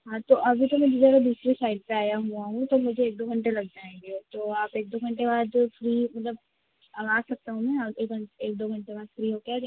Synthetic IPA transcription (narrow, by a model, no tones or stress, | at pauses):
ɦãːt̪oʔɐbʱit̪omɛ̃d͡ʒezəɾad̪uːsɾisaːɪɖpeaːjaɦuaɦũt̪omʊd͡ʒʱeːk̚d̪oːɡʱɐ̃ɳʈelɐɡ̚d͡ʒaːẽɡiot̪oːaːpeːk̚d̪oːɡʱɐ̃ɳʈebaːd̪fɾiːmɐt̪ləb̚ | aːsɐk̚t̪aɦũmɛ̃aeːkeːk̚d̪oːɡʱɐ̃ɳʈebaːd̪fɾiːɦoːkaɾ